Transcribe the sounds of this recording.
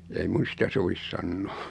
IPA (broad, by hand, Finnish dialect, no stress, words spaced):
ei mun̞ sitæ soʋis sɑnːo̥ː